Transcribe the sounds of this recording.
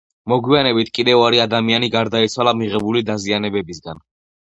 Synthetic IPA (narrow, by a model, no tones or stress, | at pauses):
mɔɡwianɛbit̪ʰkʼid̪ɛvaɾiad̪amianiɡaɾd̪ait̪sʰwalˠamiʁɛbulid̪azianɛbɛbisɡan